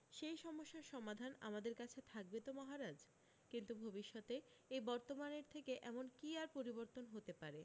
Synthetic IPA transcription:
ʃejʃɔmoʃːaʃɔmad̪ʱana̰mad̪eɾkat͡ɕʰet̪ʰak̚bet̪omɔɦaɾad͡ʑ | kint̪ubʱobiʃːɔt̪e | ejbɔɾt̪omaneɾt̪ʰekeʔɛmonkiaɾpoɾiboɾt̪onɦot̪epaɾe

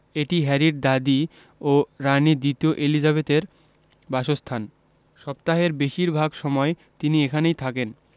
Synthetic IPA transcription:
eʈiɦɛɾiɾd̪ad̪i | oɾanid̪ɾit̪ioʔelid͡ʑaβet̪eɾ | baʃost̪ʰan | ʃɔpt̪aɦeɾbeʃiɾbʱaɡʃɔmɔe | t̪iniekʰanejt̪ʰaken

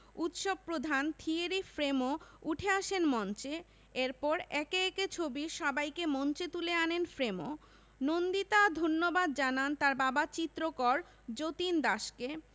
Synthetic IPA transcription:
ut̪ʃob̚pɾod̪ʱant̪ʰieɾifɾemouʈʰeaʃenmɔnt͡ɕe | eɾpɔɾɛkeɛket͡ɕʰobiʃɔbajkemɔnt͡ɕet̪uleanenfɾemo | nond̪it̪ad̪ʱonːobad̪̚d͡ʑanant̪aɾbabat͡ɕit̪ːɾokɔɾ | d͡ʑot̪ind̪aʃke

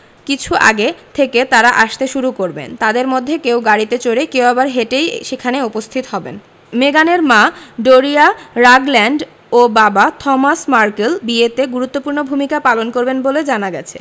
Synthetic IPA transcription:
kit͡ɕʰuʔa̰ɡet̪ʰeket̪aɾaʔaʃt̪eʃuɾukoɾbḛnt̪ad̪eɾmod̪ʱːekewɡaɽit̪et͡ɕoɾekewabaɾɦeʈejʃekʰaneupost̪ʰit̪oɦɔbḛn | meɡaneɾmaɖoɾiaɾaɡlɛɳɖ | obabat̪ʰɔmasmaɾkelbiet̪eɡuɾut̪ːopuɾnobʱumikapalonkoɾbenboled͡ʑanaɡɛt͡ɕʰḛ

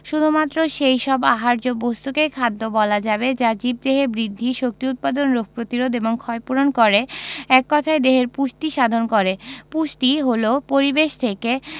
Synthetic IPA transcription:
ʃud̪ʱumat̪ːɾoʃejʃɔbaɦaɾd͡ʑobost̪ukekʰad̪ːobɔlad͡ʑabed͡ʑad͡ʑib̚d̪eɦeɾbɾid̪ʱːiʃok̚t̪iut̪̚pad̪onɾok̚ʰpɾot̪iɾod̪eboŋkʰɔepuɾonkoɾeɛkːɔt̪ʰaed̪eɦeɾpuʃt̪iʃad̪ʱonkoɾepuʃtiɦolopoɾibeʃt̪ʰeke

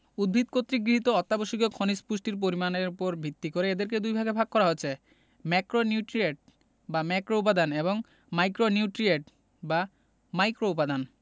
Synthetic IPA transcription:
ud̪̚bʱit̪̚kot̪ːɾiɡɾiɦit̪oɔt̪ːaboʃiɡokʰonispuʃʈiɾp̬oɾimaneɾupoɾbʱit̪ːikoɾeed̪eɾk̬ed̪ujbʱaɡebʱaɡ̚kɔɾaɦot͡ɕʰe | mɛkɾonjuʈɾieʈ̚ | bamɛkɾoup̬ad̪aneboŋ | majkɾonjuʈɾieʈ | ba | majkɾoupad̪an

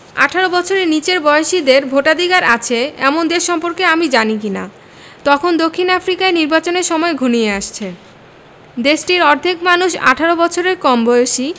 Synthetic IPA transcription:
a̰ʈʰaɾobɔt͡ɕʰoɾeɾnit͡ɕeɾbɔoʃid̪eɾbʱoʈad̪ʱiɡaɾat͡ɕʰeɛmond̪eʃʃɔmpoɾkeamid͡ʑanik̬ina̰ | t̪ɔkʰond̪okʰːinafɾikaeniɾbat͡ɕoneɾʃɔmɔeɡʱunieaʃt͡ɕʰe | d̪eʃʈiɾɔɾd̪ʱikmanuʃa̰ʈʰaɾobɔt͡ɕʰoɾeɾkɔmbɔjoʃi

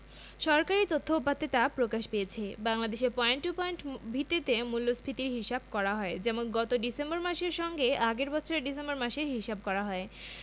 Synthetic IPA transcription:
ʃɔɾkaɾit̪ot̪ʰːoupːat̪ːet̪apɾokaʃpejet͡ɕʰebaŋlad̪eʃeɾpɔeɳʈupɔeɳʈbʱit̪ːit̪emulːospʰit̪iɾɦiʃab̚kɔɾaɦɔed͡ʑɛmonɡɔt̪oɖisemboɾmaʃeɾʃɔŋɡeaɡeɾbɔt͡ɕʰoɾeɖis̬embɔɾmaʃeɾɦiʃab̚kɔɾaɦɔe

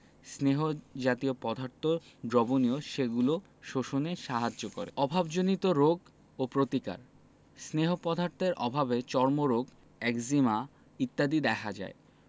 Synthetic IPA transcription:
sneɦod͡ʑat̪iopɔd̪ʱaɾt̪oɖɾɔbonioʃeɡulo | ʃoʃoneʃaɦad͡ʑoko̰ɾḛɔbʱabd͡ʑonit̪oɾoɡ | opɾot̪ika̰ɾ | sneɦopɔd̪ʱaɾt̪eɾʔɔbʱabet͡ɕɔɾmoɾoɡ | ɛkzima | it̪ːad̪id̪ɛkʰad͡ʑa̰e

